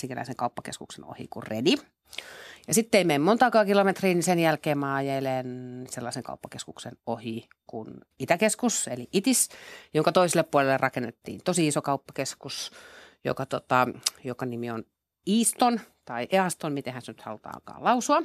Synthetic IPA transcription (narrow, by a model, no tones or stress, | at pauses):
siŋkelæ̰iseŋkɑupːɑkḛskuksḛno̰hḭkurredi | jɑsit̪ːeimeimmont̪ɑːkɑːkilomet̪riːnisenjælkeːmmɑːjelenselːɑiseŋkɑ̰upːɑkeskuksenohi | kun | it̪ækeskuseliʔit̪isjoŋkɑt̪oiselːˑeppuolelːerrɑkenːet̪ːḭːnt̪osiisokɑupːɑ̥keskusjo̰kɑt̪ot̪ɑjokɑnimion | iːst̪ont̪ɑiʔeɑst̪onmit̪ehænsenyt̪hɑ̰lut̪ɑ̰ːɑ̰lkɑ̰ːlɑusuɑ